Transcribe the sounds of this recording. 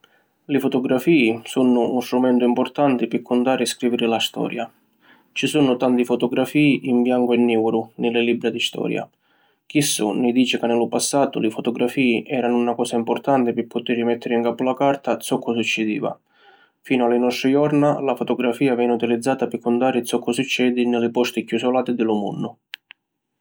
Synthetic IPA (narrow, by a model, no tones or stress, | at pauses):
lɪfʊt̪ɔɡɾafiːisunʊunst̪ɾumɛnt̪ʊimpʊrt̪ant̪ɪpɪkːʊnt̪aːɾɪskɾiːvɪɾɪlast̪ɔ̰ːɾja | t͡ʃisunʊt̪ant̪ifʊt̪ɔɡɾafiːiʔimbjaŋkʊɛnːiwɾʊnɪlːɪlibːɾad̪ist̪ɔ̰ːɾja̰ | k̟isːʊ̰nɪd̪iːt͡ʃɪkanːɪlʊpasːaːt̪ʊlɪfʊt̪ɔɡɾafiːʔɛːɾanʊunakɔːsaimpʊrt̪ant̪ɪpɪpːʊt̪ɪɾimɛt̪ʰːɪɾɪiŋkaːpʊlakart̪at̪sɔkʰːʊsut͡ʃːɪd̪ḭːva̰ | fiːnʊalɪnɔst̪ɾɪjɔrnalafʊt̪ɔɡɾafiːavɛːnːɪut̪ilid̪zːaːt̪apɪkʰːʊnd̪aːɾɪt̪sɔkːʊsut͡ʃːɛːd̪ɪnɪlɪpɔst̪ɪkjusʊlaːt̪ɪd̪ɪlʊmṵnːʊ